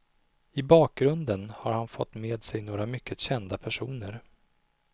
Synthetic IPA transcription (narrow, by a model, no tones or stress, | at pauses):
ɪbɑːk̚ɡɾɵnd̪ənhaɾhanfɔ̰t̪ːmeːd̪sɛjnoːɾamʏkːəɕɛnd̪apʰæʂṵːnəɾ